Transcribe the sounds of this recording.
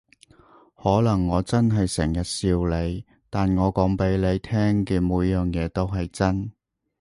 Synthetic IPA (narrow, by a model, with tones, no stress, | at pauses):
hɔː˨˥lɐ˨˩ŋːɔː˨˧t͡sɐ˥nɦɐ˨jsɛ˨˩ŋjɐ˨t̚siː˧wle˨˧j | t̪aː˨nŋɔː˨˧kɔː˨˥ŋpe˨˥jle˨˧jt̪ʰɛː˥ŋkiː˨˧nmuː˨˧˥jjːœː˨ŋjɛː˨˧t̪o˥wɦɐ˨jt͡sɐ˥n